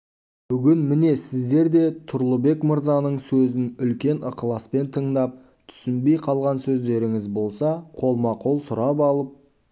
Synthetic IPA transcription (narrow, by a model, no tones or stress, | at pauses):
b̥ʏɡʲɪnmɪne̞sɪzd̪e̞ɾd̪e̞t̪ʰʊɾlˠəbe̞kməɾzɑnəɴsɵzɪnʏlkʲe̞nəqəlˠɑspe̞nt̪ʰəɴd̪ɑp̚ | t̪ʰʏ̥sɪnbe̞jqʰɑlˠʁɑnsɵzd̪e̞ɾɪŋɪzbo̞lˠsɑqʰo̞lˠmɑqʰolˠsʊɾɑpɑlˠəp̚